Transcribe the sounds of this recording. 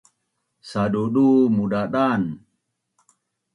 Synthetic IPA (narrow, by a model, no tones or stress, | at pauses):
saɗuɗumuɗaɗan